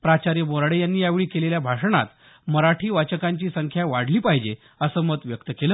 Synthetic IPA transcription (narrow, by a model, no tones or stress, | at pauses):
pɾat͡ɕaɾjəmoɾaɽejanːiːjaʋɭiːkeleljabʱaʂəɳa̰t̪ | məɾaʈʰiːʋat͡ɕəkaɲt͡ɕiːsəŋkʰjaʋaɽliːpaɦid͡ʑe | əsəːmət̪ʋjək̚t̪əkelə